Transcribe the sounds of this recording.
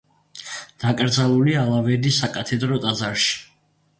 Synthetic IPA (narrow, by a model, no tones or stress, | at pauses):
d̪̥akʼɾd̪zalˠulialˠavɛɾd̪isːakʼat̪ʰɛd̪ɾɔt̪ʼazaɾʃi̥